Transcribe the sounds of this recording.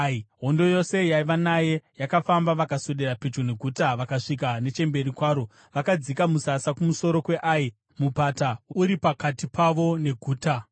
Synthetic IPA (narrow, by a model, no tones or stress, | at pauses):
iɦo̞ndo̞jo̞se̞jaiʋanaje̞jakafambaʋakaso̞ɗe̞rapet͡ʃone̞ɡʱuːtaʋakaʂik̬ane̞t͡ʃe̞mbe̞ɾikwaːɾo̞ | ʋakad͡zikamusasakumuso̞ɾo̞kwe̞ʔai | mupatauɾipakatipaʋo̞ne̞ɡʱuːta